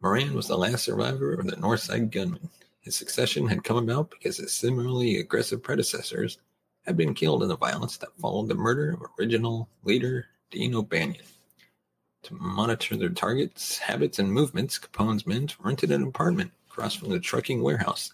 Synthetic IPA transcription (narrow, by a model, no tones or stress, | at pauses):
mə˞æ̃nwʌzðə̰læstsə̰˞va̰ɪvə˞ʌvðɨnɔɹθsa̰ɪd̚ɡʌ̃nm̃n̩ | hɨz̥sɨksɛʃɨ̃nɨd̚kʰʌ̃məbaʊt̚b̥ɨ̥kʰʌz̥ɨz̥sɪ̃ml̩ˠəl̩ˠiɨ̰ɡɹɛ̰sɨv̥pʰɹ̥ɛɾɨsɛ̰sə̰˞z̥ | ɨd̚bɨ̃nkʰɪlˠdə̃nðəva̰ɪlˠə̰̃nsðətfɑ̰lˠoʊd̪̚ðəmɜ˞ɾə˞ʌvə˞ɪd͡ʒɨnl̩ˠliɾə˞ | d̥ḭ̃noʊbæ̃njɨ̃n | tʰəmɑñɨɾʰə˞ðə˞tʰɑɹɡɨtshæ̰bɨtsɨ̃nmuvmɨ̃ntskʰm̩pʰõʊ̃nzmɨ̃nzʰɹɪ̃ntɨɾɨ̃nɨpʰɑɹt̚mɨ̃nkʰɹ̥ɔ̰sfɹʌ̃mðɨtʰɹ̥ʌ̰kɪ̃ŋwɛɹha̰ʊs